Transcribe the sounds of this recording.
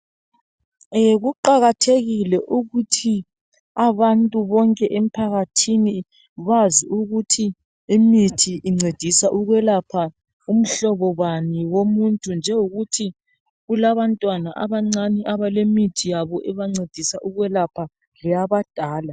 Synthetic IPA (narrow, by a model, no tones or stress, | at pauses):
eɣuǃaɣatʰeɣilɛʔuɣutʰi | aβantʼuβɔŋkʼɛʔem̩pʰaɣatʰini | βaziuɣutʰi | imitʰiiŋ͡ǀed̥ʱisaʔuɣwɛlapʰa | um̩ɬɔβɔβaniwomuntʼund͡ʒʱɛuɣutʰi | ɣulaβantʼwanaʔa̰βaŋ͡ǀaniʔaβalemitʰijaβɔʔɛβaŋ͡ǀed̥ʱisaʔuɣwɛlapʰa | lɛjaβad̥ʱaːla